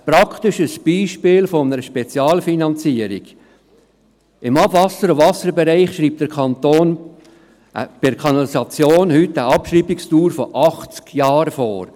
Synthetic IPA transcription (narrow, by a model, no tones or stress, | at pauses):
pɾɑkʰt̪ɪʃəsb̥iːʃpɪːlfɔnəɾəʃpɛt͡sjɑːlfinɑnt͡siəɾɪɡ̥ | ɪmɑbvɑsəɾɔvɑsəɾbɛɾɛɪχʃɾiːp̚td̥əɾkʰɑnt̪oːn | ʔə̰b̥ɪɾkʰɑnɑlisɑt͡sjoːnhʏtːəʔɑpʃriːbɪkstuːɾfɔʔɑχt͡skjɑːɾfɔːɾ